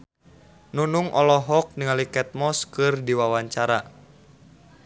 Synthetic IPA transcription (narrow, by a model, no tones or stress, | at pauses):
nunuŋʔɔlɔɦɔk̚niŋalikɛt̪̚mɔskɨrdiwawaɲt͡ʃaɾa̰